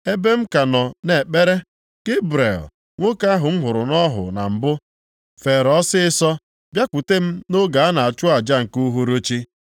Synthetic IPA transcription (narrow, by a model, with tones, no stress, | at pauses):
e˦be˦m̩˦ka˨nɔ˨ne˨k͡pe˦ɾe˦ | ɡ̥e˦bɾḛ˨l | ŋʷo˦ka˦ɦʊ˨m̩˦ɦʊ˨ɾʊ˨nɔ˦ɦʊ̰˨na̰˨m̩˨bʊ˦ | fe˨ɾɔ˦sɪ˦ɪ˦sɔ˦ | bja˦kʷu˨te˦m̩˦no˦ɡa˨a˦na˨a˨t͡ʃʊ˦a˨d͡ʒa˦ŋ̩˨ku˦ɦo˦ɾo˦t͡ʃi˦